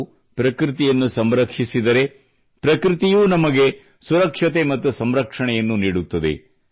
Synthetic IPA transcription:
pɾɐkɾit̪ijɐnːusɐmɾɐkʂisid̪ɐɾe̞ | pɾɐkɾit̪ijuːnɐmɐɡe̞ | suɾɐkʂɐt̪̬e̞mɐt̪ːusɐmɾɐkʂɐɳɛjɐnːuniːɽut̪ːɐd̪ḛ

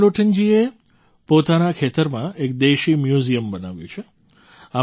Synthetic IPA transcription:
loʈʰənd͡ʒie | pot̪anakʰet̪əɾmãek̚d̪eʃimjuzijəmbənaʋjṵ̃t͡ʃʰe | a

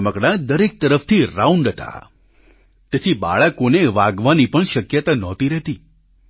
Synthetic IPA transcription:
məkɽãd̪əɾek̚t̪əɾəft̪ʰiɾauɳɖət̪ʰa̰ | t̪et̪ʰiba̰ɭəkoneʋaɡʋanipəɳʃəkjət̪anɔt̪iɾɛɦt̪i

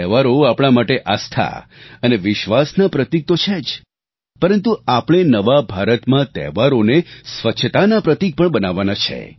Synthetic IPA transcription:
ɛʋaɾoapɽ̃amaʈeʔast̪ʰa̰əneʋɪʃʋasnapɾət̪ik̚t̪ot͡ʃʰed͡ʒ | pəɾənt̪uapəɽ̃enəʋabʱaɾət̪mãt̪ɛ̰ʋaɾonesʋətːʃʰət̪anapɾət̪ik̚pəɳbənaʋːanat͡ʃʰḛ

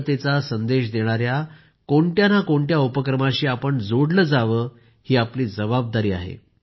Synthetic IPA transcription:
t̪et͡sasənd̪eɕd̪eɽ̃aɾja | koɳʈjanakoɳʈ̪jaupəkɾəmãɕiːapəɳd͡zoɽləːd͡zaʋəː | hiːapliːd͡zəbab̚d̪aɾiːa̰ɦḛ

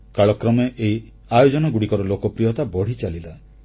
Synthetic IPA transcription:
kaɭɔkɾɔmeʔei | ajod͡ʒɔnɔɡuɽikɔɾɔlokɔpɾijɔt̪abɔɽ̤it͡ʃalila

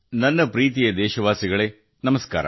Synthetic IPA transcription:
nɐnːɐpɾiːt̪̬ijɐd̪eːɕɐʋaːsiɣɐɭeː | nɐmɐska̰ːɾɐ̰

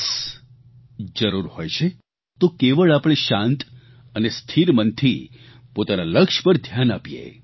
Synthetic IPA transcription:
s | d͡ʒəɾuɾhojt͡ʃʰe | t̪okeʋəɭapɽ̃eʃãnt̪ | ənest̪ʰiɾmənt̪ʰi | pot̪analəkʃpəɾd̪ʱjanapijḛ

